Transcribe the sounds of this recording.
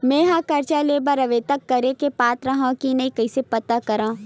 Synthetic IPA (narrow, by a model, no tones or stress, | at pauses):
mẽːɦãːkɐɾt͡ʃaleːbɐɾɐʋet̪ɐkːɐɾekepaːt̪ɾaɦãːkinɐĩkɐisepɐt̪akɐɾãː